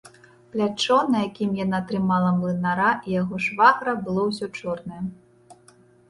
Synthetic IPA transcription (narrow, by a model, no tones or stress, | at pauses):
plʲat͡ʂɔnɐjakʲimjanat̪ɾɨmalˠɐmlˠɨnaɾaʔijaɣɔʂvaɣɾɐbɨlˠɔws̬ʲɔt͡ʂɔrnɐjɛ